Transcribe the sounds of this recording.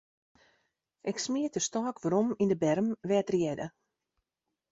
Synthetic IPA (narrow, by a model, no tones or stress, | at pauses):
ʔɛksmiətəstɔːkʋəɾɔmindəbɛrmʋɛːtrjɛdə